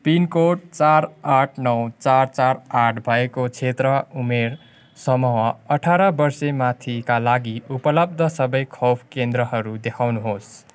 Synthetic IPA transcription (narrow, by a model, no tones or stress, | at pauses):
pinkoʈ̚t͡saɾaʈʰnʌwt͡sart͡saɾaʈʰbʱʌekot͡sʰet̪rʌumer | sʌmʌwʌʌʈʰaɾʌbʌrsemat̪ʰikalaɡiupʌlʌb̚d̪ʱʌsʌbʌjkʰopʰkend̪ɾʌɦʌɾud̪ekʰawnuɦos